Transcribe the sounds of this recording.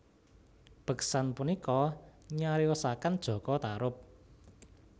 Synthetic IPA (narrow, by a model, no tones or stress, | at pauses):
b̥ə̤ksanpunikɔɲaɾiɔsakand̥ʒ̥ɔ̤kɔt̪aɾʊp̚